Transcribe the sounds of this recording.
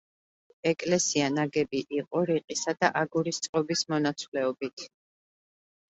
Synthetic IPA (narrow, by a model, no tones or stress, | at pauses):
ɛkʼlɛsianaɡɛbiʔiqʼɔɾiqʼisad̪aʔaɡuɾist̪sʼqʼɔbismɔnat̪sʰvlɛɔbit̪ʰ